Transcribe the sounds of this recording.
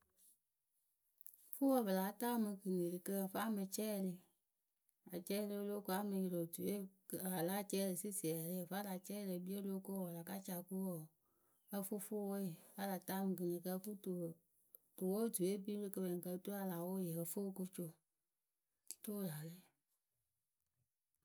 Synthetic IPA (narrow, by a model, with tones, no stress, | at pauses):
fo˦wə˨bə˨la˨˦taː˦mɨ˧ɡɨ˨ŋe˨ɾi˨kə˦ə˨fa˦mɨ˨t͡ʃɛ˦˨lə˨ | a˨t͡ʃɛ˦le˦o˦lo˦ko˦a˦mɨ˨˧ji˨lo˨tu˨e˦˨a˨la˦t͡ʃɛ˦lə˨si˦si˨ɛ˨le˦˨fa˦la˨t͡ʃɛ˦˨le˨bi˦e˦lo˦ko˦wɔ˨la˨ka˦t͡ʃa˨ko˦wɔ˨ | ə˦fo˦fo˦wo˦je˨fa˦la˨˦taː˦˨mɨ˨ɡɨ˨ŋi˨kə˦fu˦to˨ | to˨wo˦˨tu˨e˦bi˦le˦kə˧be˨ŋ˨kə˧˦to˦a˦la˨wo˦je˨ə˨fo˦ko˦t͡ʃo˦ | to˦˨la˨le˦˨